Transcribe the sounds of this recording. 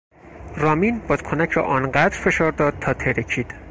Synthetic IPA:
ɾɒːmiːnbɒːd̪̥kʰonæcʰɾɒ̰ːʔɒːnɢæd̪ɾfeʃɒːɾd̪ɒːd̪̥̚t̪ʰɒːt̪ʰeɾecʰiːd̪̥

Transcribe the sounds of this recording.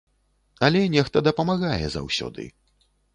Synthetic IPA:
ɐlʲɛnʲɛxt̪ɐd̪ɐpɐmaɣajɛ̰za̰wsʲɔ̰d̪ɨ̰

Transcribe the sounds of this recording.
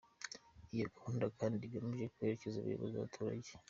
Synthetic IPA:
ijokuːndakʰaːndiɡamuʒekwe̞ɾecezuβṵjoβa̰za̰βatʰuːɾaɟe

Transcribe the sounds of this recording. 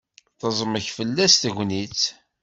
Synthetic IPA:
θəzˤməçfəlːæst̪ʝʷnit͡s

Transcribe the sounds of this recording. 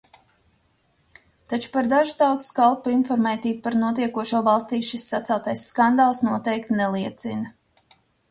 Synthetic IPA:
t̪at͡ʃu̥paɾd̪aʒu̥t̪awt̪u̥skalˠpuinfɔɾmɛːt̪iːbupaɾnuɔt̪̬iɛkuɔʃuɔvalˠst̪iːʃisːat̪sɛlˠt̪ajsːkand̪aːlˠsnuɔt̪ɛjkt̪nɛlˠiɛt̪sinɐ

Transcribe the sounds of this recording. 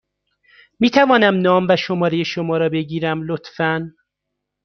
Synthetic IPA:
miːt̪ʰævɒːnæmnɒːmvæʃomɒːɾejeʃomɒːɾɒːbe̞ɟiːɾæmlot̪fæn

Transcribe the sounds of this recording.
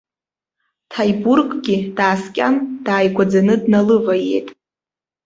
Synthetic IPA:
tʰajburɡʼɡʲid̥aːskʲʼa̰nd̥aːjɡʷad͡zanɨdnalɨvajejtʼ

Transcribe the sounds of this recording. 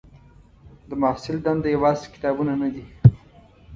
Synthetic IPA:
d̪əmasɪld̪and̪əjawɑzkɪ̥t̪ɑbunanad̪i

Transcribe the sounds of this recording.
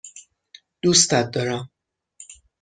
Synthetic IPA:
d̪̥ust̪æt̪̚d̪ɒɾæm

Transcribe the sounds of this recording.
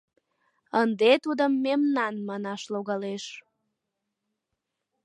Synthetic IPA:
ənd̪et̪ud̪əmːemnɑnmɑnɑʃloɣɑleʃ

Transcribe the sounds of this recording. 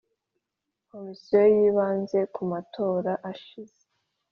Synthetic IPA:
ko̞misijo̞jiːβaːnze̞kumatʰo̞ːɾaʔaʃize

